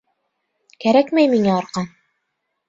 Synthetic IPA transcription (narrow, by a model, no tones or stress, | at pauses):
kæɾækmæjmiŋæɑɾqɑn